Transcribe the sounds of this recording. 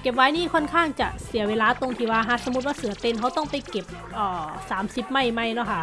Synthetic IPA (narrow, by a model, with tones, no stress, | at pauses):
ke˨˩p̚waː˧˥jniː˥˩kʰɔ˧˥˨nkʰaː˥˩ŋt͡ɕa˨˩ʔsi˨˩˦weː˧laː˧˥t̪o˧ŋt̪ʰiː˧˩waː˧ɦa˧˥˩so˨˧˦mu˦˥t̪̚waː˧˥˩sɯ˩˦ɐt̪e˧nɦʰa˦˥wt̪ɔ˥˩ŋpa˧jke˨˩p̚ | ʔɔː˨˩saː˩˦msi˨˧˩p̚ma˥˩jma˧˥˩jnɔ˦˥˩kʰa˥˩ʔ